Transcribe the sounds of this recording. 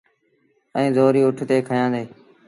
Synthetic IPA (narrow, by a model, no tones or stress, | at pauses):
ə̃ːzoːɾiːʊʈʰt̪eːkʰəjãːd̪eː